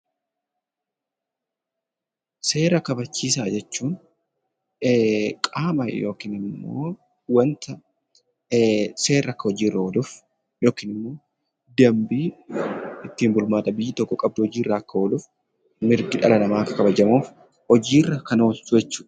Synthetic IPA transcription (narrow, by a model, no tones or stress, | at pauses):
se̞ːɾɐkɐbɐt͡ʃːiːs̬aːd͡ʒɛt͡ʃːuːn | kʼaːmɐ̰jo̞ːkiːnɪmːo̰ː | wɐnt̪ɐ | se̞ːrɐkːɐhɔd͡ʒiːrːɐɔd̪ʊf | joːkiːnɪmːo̞ː | d̪ɐmbiː | ɪt̪ːiːmbʊlmaːᶑɐbɪjːɪt̪ɔkːɔkʼɐb̚d̪ʊhɔd͡ʒiːrːaːkːɐɔlʊf | mɪɾɡɪᶑɐlɐnɐmaːkːɐkɐbɐd͡ʒɐmuːf | ɔd͡ʒiːrːɐkɐnoolsʊd͡ʒɛt͡ʃːuːᶑɐ̥